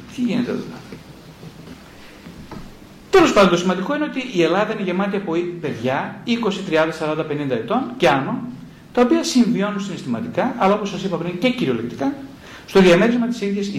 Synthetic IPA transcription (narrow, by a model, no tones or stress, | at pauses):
t̪iʝinet̪ḛðo̰tɐ | t̪e̞lo̞spɐnd̪ont̪osimɐnd̪iko̞ine̞o̞t̪iːe̞lɐðɐineʝemɐt̪iɐpoipe̞ðʝɐiko̞sit̪ɾiɐnd̪ɐsɐɾɐnd̪ɐpe̞nind̪ɐe̞t̪o̞nceɐno | t̪ɐopiɐsiɱvio̞nunsine̞st̪imɐt̪ikɐʔɐlɐo̞posɐsipɐpɾiɲce̞ciɾio̞lekt̪ikɐ | st̪oðiɐmeɾizmɐt̪i̥siðʝes